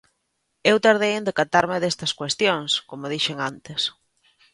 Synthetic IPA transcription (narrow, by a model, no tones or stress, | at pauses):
ewt̪aɾðejend̪ekat̪aɾmeðest̪ɐskwest̪joŋskomoðiʃeŋant̪es